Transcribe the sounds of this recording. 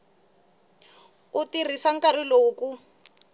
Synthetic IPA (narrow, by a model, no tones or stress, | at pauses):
utirisaŋ̩kariloku